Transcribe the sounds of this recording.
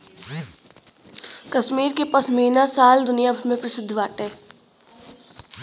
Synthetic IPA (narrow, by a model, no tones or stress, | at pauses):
kɐʃmiːɾkepɐsmiːnasaːld̪ʊnijabʱəɾmẽpɾɐsɪd̪ʱːʋaːʈeː